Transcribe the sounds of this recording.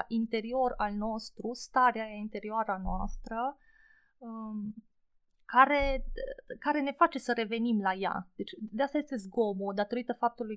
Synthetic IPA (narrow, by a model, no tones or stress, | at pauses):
ʔint̪e̞ɾio̞ralno̞st̪ɾust̪aɾeajaint̪e̞ɾioaɾanoa̰st̪ɾə | kaɾe̞ | kaɾe̞ne̞fat͡ʃe̞səɾe̞ve̞nimlaja̰d̪̥e̞t͡ʃʲd̪east̪ajest̪e̞zɡo̞mod̪at̪o̞ɾit̪əfap̚t̪uluj